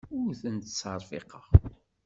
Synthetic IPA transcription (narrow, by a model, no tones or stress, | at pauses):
ʊɾθənt̪t͡sːɑɾˤfɪ̰qɑʁ